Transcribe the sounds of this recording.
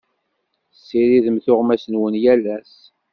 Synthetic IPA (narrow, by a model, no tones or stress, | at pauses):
sːiɾiðəmθʊʁmæsənwənjælæs